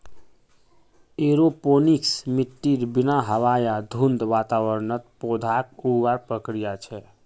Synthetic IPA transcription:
eɾoponiksmiʈːiɾbinaɦəʋajad̪ʱund̪ʋat̪awəɾnət̪̚pod̪ʱak̚uwaɾpɾəkɾijat͡ʃʰɛ

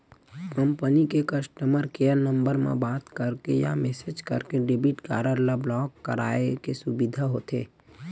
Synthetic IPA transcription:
kəmpənikekəsʈəməɾkeːəɾnə̃mbəɾmḛ̃baːt̪kəɾkeja̰meːsed͡ʒkə̰ɾkeɖebiʈka̰ːɾəɾlablɔːkːə̰ɾa̰ːekesubid̪ʱaɦoːt̪ḛː

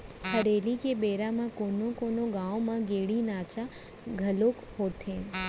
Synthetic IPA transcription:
pʰəɽelikebeɾamãkonokonoɡãomãɡeɽinaːt͡ʃa | ɡʱəlok | ɦot̪ẽ

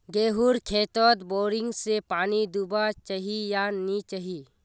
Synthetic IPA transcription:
ɡeːɦuɾkʰeːt̪ɔt̪boːɾɪ̃ŋɡsepaːnid̪ubat͡ʃaɦijanit͡ʃaɦiː

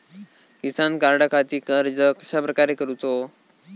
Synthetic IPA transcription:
kisankaɾɽakʰat̪iːkəɾd͡zəkəɕapɾəkaɾekəɾut̪o

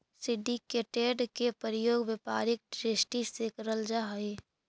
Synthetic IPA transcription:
sɪɖikeːʈeɖkepəɾəjoːɡʋepaːɾɪk̚ʈɾesʈisekəɾəld͡ʒaɦɐe

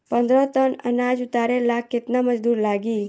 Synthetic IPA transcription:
pənd̪ɾət̪ənə̰nad͡ʒut̪aɾelakːet̪naməd͡ʒd̪uːɾlaɡiː

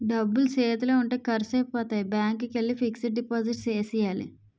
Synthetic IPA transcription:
ɖɐbːulseːt̪uleːuɳʈeːkɐɾseːpɔːt̪aːjibaːŋkːukelːifiksiʈ̚ɖipoːziʈt͡ʃeːsijaːlḭ

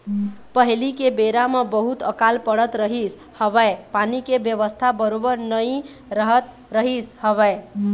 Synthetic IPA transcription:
pəɦilikebeɾamebəɦut̪əkalpəɽət̪ɾəɦis | həβəepanikebjəʋəst̪ʰabəɾobəɾnəj | ɾəɦət̪ | ɾəɦishəβəe

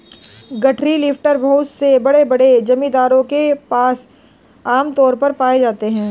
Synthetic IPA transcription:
ɡɐʈʰɾilɪfʈəɾbʱɐʊt̪sebɐɽebɐɽed͡ʒɐmĩd̪aːɾõkepaːs | aːmt̪ɔːɾpɐɾpaːed͡ʒaːt̪eɦɛ̃ː

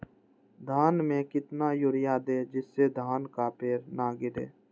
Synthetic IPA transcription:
d̪ʱaːnmẽkɪt̪naːjʊɾɪjaːd̪eːd͡ʒɪsːed̪ʱaːnkaːpeːɾnaːɡɪdḛː

